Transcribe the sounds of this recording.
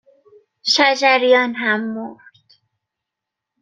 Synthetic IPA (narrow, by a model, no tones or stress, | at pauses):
ʃæd͡ʒæɾjɒːnɦæmːoɾd̪̥